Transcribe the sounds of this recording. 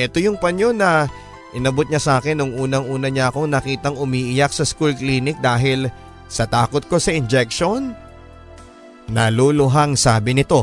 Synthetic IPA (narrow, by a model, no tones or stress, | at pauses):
ʔɛt̪o̞jʊŋpɐnjo̞nɐ | ʔɪnɐbot̪̚ɲɐsaːkɛnʊŋʔuːnɐŋʔuːnɐɲɐʔɐko̞ŋnɐkiːt̪ɐŋʊmiːʔɪjak̚sɐskulkliːnɪk̚d̪aːɦɪl | sɐt̪aːko̞t̪̚ko̞sɐɪnd͡ʒɛk̚ʃo̞n | ɐlolʊɦaŋsaːbɪnɪt̪o̞